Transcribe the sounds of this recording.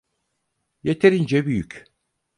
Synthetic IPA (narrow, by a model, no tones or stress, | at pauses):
jet̪ʰeɾind͡ʒɛbyjyc